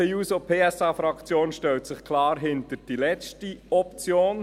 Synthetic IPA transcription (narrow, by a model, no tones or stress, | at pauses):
ɛjuːsopʰeːɛsɑːfɾɑkt͡sjoːnʃtɛlt̪sɪχkʰlɑːɾɦɪnt̪əd̥ilɛtiɔpt͡sjoːn